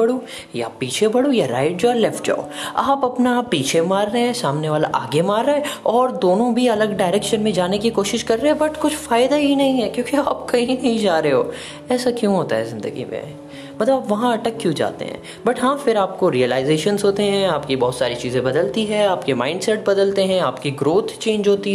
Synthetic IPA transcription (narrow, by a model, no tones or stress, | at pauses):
ɐɽu | ja̰piːt͡ʃʰebɐɽojaɾa̰ːɪʈ̚d͡ʒoːɦɛlɛfʈ̚d͡ʒa̰ːo̰aːpɐpnapːiːt͡ʃʰemaːɾːɐɦɛ̃saːmneʋaːlaʔaːɡemaːɾːɐɦɛ̃ɔːɾd̪oːnõbʱiɐləɡɖaːɪɾeːkʃənmẽd͡ʒaːnekikoːʃɪʃkɐɾːeɦɛ̃bɐʈkʊt͡ʃʰfaːɪd̪aɦinɐɦĩɦɛkjõːkeaːpkɐɦĩnɐɦĩd͡ʒaːɾeeɦoː | ɛːsakjũɦoːt̪aɦɛzɪ̃nd̪ə̰ɡḭmḛ̃ | mɐt̪ləbabpʋɐɦãɐʈəkːjũd͡ʒa̰ːt̪ḛɦɛ̰̃ː | bɐʈɦãfɪɾaːp̚koɾiəlaːɪzeːʃənzɦoːt̪eɦɛ̃aːpkibɔːt̪saːɾit͡ʃiːzẽbɐd̪əlt̪iɦɛaːpkemã̰ːɪɳɖsɛʈ̚bɐd̪əlt̪eɦɛ̃aːpkiɡɾoːt̪ʰt͡ʃẽːɲd͡ʒɦoːt̪iɦ